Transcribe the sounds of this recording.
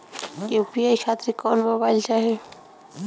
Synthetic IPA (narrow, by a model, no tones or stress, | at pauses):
epiajkʰat̪ɾikɔnmobajlt͡ʃaɦe